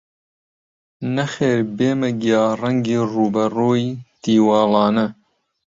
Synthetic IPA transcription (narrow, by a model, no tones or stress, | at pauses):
nɐxeːɾbeːmɐɡijɑːrɐŋɡiːruːbɐruːjt̪iːwɑːlɑːnɐ